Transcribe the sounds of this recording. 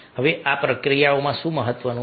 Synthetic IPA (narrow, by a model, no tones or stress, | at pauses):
ɦəʋeʔapɾəkɾijaomãʃũməɦət̪ːʋənũ